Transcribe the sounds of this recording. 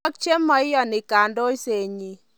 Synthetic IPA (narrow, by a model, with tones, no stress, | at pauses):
ɔ˦k̚t͡ʃe˦mːɔ˨˦ɪ˦jɔ˨nɪ˨ka˨ndo˦i˦se˨ɲi˨